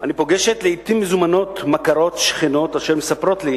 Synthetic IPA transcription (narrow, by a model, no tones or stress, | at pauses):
anipo̞ɡeʃet̪leit̪imːezumano̞t̪makaʁo̞t̪ʃχino̞t̪aʃelmesapɾo̞t̪li